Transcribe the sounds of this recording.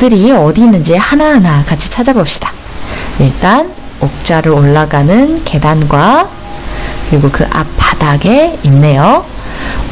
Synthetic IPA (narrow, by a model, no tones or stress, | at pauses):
dɯɾiʌdinːɯnd͡ʑihanaɦanakat͡ɕʰi̥t͡ɕʰad͡ʑabop̚ɕ͈i̥d̥ḁ | iɭt͈an | ok̚t͡ɕ͈aɾɯɾoɭːaɡanɯnke̞danɡwa | kɯɾiɡokɯ̰ʔa̰p̚p͈ːadaɡe̞inːe̞jo